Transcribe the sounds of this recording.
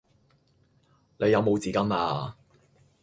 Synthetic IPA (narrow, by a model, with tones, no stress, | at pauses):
ne˨˧jɐ˨˧wmo˨˧wt͡siː˨˥kɐ˥ma̰ː˧